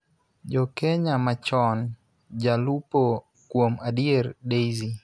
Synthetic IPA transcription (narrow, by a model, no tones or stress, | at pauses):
d͡ʒɔkɛɲamat͡ʃɔn | d͡ʒalupo | kwomadiɛɾdejzi